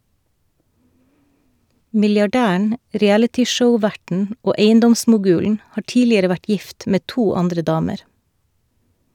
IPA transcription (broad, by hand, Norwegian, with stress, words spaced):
mɪljɑˈɖæːæɳ ɾiːˈælətɪˌʃəʊˌʋæʈn̩ ˈoː ˈeɪənˌdɔmsmʊˌɡʉːln̩ ˈhɑː ˈʈiːlɪəɾə ˈʋæʈ ˈjɪft ˈmeː ˈtuː ˈɑndɾə ˈdɑːməɾ